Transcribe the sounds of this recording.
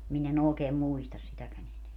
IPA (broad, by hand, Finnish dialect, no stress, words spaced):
min en oːkeː muistɑs sitækæn eneæ